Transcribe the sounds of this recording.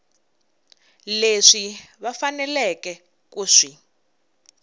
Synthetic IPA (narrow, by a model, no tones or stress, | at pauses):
leʂiβafanɛlɛkɛ | kuːʂi